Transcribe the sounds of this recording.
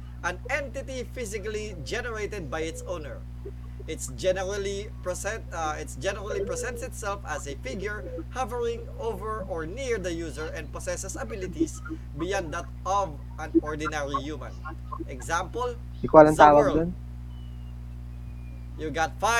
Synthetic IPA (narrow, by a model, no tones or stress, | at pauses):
ʔɐ̃nɛ̃nt̪ɪt̪ifɪsɪkali | d͡ʒɛnɛɹejt̪ɛd̪̚bajɪt̪sõʊnɛɹ | ʔɪt̪sd͡ʒɛnɛɹalipɹɛɪt̪sd͡ʒɛnɛɹalipɹɛsɛ̃nt̪sɪt̪sɛlfɐsefɪɡjʊɹ | hɐvəɹɪ̃ŋ | ovɛɹɔɹniɹd̪ɐjuzɛɹɛ̃nd̚posɛsɛsɐbɪlɪt̪is | bɪjãnd̪at̪ʔɔv | ãnɔɹd̪ɪnɛɹijumã̰n | ʔɛɡzãmpəl | ikwalɐ̃ŋt̪aːwad̪ɔn | juɡat̪fa